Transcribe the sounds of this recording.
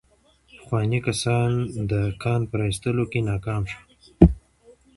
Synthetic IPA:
pə̥xwɑnikasɑnd̪əkʰɑnpəɾɑist̪əlokenɑkɑmʃu̥

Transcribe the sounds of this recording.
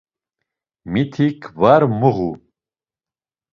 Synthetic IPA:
mit̪ʰikvaɾmuɣu

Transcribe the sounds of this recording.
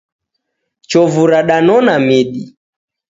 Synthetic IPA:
t͡ʃɔvuɾaɗanɔnamiɗi

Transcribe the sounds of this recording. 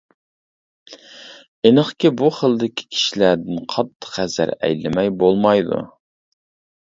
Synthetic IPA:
enəχkʲɪbuχəlˠd̪ɪkʲʰɪ̥kʲʰi̥ʃilæɾd̪ɪnqʰɑt̪ʰːə̥qæzæ̰ɾɛ̰jlɪmɛjbolˠmɑjd̪ṵ

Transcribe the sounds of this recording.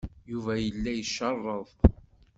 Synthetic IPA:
juvæjəlːæjəʃːɑrˤːəðˤ

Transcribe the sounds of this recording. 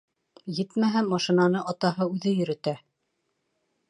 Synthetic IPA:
jɘt̪mæɦæmɑʃinɑnɤʔɑt̪ɑɦɤʉðɘjɵ̆ɾɘ̆t̪æ

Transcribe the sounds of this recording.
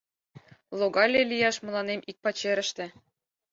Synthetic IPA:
lˠoɡɑlʲelʲijɑʃmɤ̆lˠɑnemʔik̚pɑt͡ɕĕɾɘ̆ʃt̪ɘ̆

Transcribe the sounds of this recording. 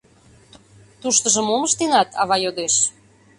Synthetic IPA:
t̪uʃt̪əʒə̆moməʃt̪enɑt̪ʰɑ̰βɑjod̪eʃ

